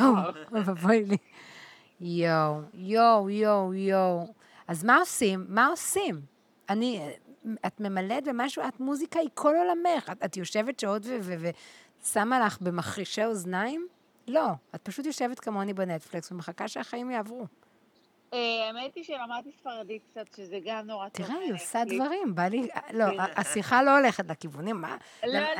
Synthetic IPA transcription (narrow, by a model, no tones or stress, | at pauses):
ovavojli | jowjowjowjow | azmao̞simːao̞sim | ani | atme̞maletbemaʃuatmuzikaikʰololameχatatjo̞ʃe̞vetʃeo̞dveveve | samalaχbe̞maχʁiʃeoznaim | lo̞at̚paʃut̬jo̞ʃe̞vetkamoanibenetfliksvemeχakaʃeaχaimjaːvʁu | eemet̪iʃeʁamad̚t̪isfaʁadit̚k̚t͡satʃezeɡamnoʁat̪iʁeiosadvvaʁimbalia̰lo̞aasiχalo̞ole̞χetlakivunimːa̰